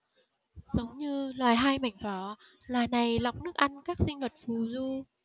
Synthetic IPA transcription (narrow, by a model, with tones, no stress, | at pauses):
z̥ə˨˦wŋ͡mɲɨ˧lwaː˨˩jɦaː˧jma̰˧˩jŋ̟fɔ˨˦ | lwaː˨˩jna˨˩jla˨˩wk͡p̚nɨ˦˥ək̚ʔa˧nkaː˦˥k̚sï˧ŋ̟və˨˩t̚fu˨˩zu˧